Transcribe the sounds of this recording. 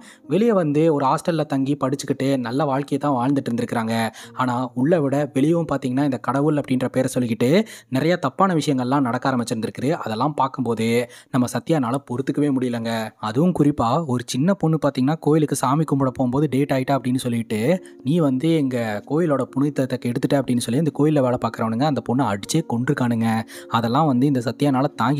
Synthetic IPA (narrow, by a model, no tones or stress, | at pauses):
ʋɛɭɪjɐʋɐnd̪ɯɔɾɯaːsʈɐlːɐt̪ɐŋɡipɐɽɯt͡ʃːɯkːɪʈːɯnɐlːɐʋaːɻkɐjɐt̪ːãːʋaːɻnd̪ɯʈːɾnd̪ɪɾɯkːɪɾaːŋɡɐaːnaːʊɭːɐʋɪɽɐʋɛɭɪjɐʋɯmpaːɾt̪iːŋɡɐnːaːɪnd̪ɐkɐɽɐʋɯlɐpːɐɽɪnɾɐpeːɾsɔlːɪkːɪʈːɯnɪɾɐjaːt̪ɐpːaːnɐʋɪʂɐjɐŋɡɐɭɛlːãːnɐɽɐkːaːɾɐmbɐt͡ʃːɯɾɯnd̪ɪɾɯkːɐðɯʔɐðɛlːãːmpaːɾkɯmpoːðɯnɐmːɐsɐt̪ːɪjaːnaːlɐpɔɾɯt̪ːɯkːɯʋeːmʊɽɪjɪlːɐŋɡɐɐðɯʋɯmkʊɾɪpːaːɔɾɯt͡ʃɪnːɐpʊɳːɯpaːɾt̪iːŋɡɐnːaːkoːjɪlɯkːɯsaːmikːʊmbɐɽɐpːoːmpoːðɯɖeːʈaːɣɪʈːɯːɐpːɐɽɪnːɯsɔlːɪkɪʈːɯ | niːʋɐnd̪ɯɛŋɡɐkoːjɪloːɽɐpʊɳʊt̪ːɐt̪ːɐkːɛɽɯt̪ːɯʈːɯɐpːɐɽɪnːɯsɔlːijɐɪnd̪ɐkoːjɪlːɐʋeːɭɐpaːɾkɯɾɐʋɐnɯŋɡɐɐɪnd̪ɐpʊɳːɐɐɽɯt͡ʃːeːkɔɳɖɾɯkːaːɳɯŋɡɐɐðɛlːãːʋɐnd̪ɯɪnd̪ɐsɐt̪ːɪjaːnaːlɐt̪aːŋɡɪ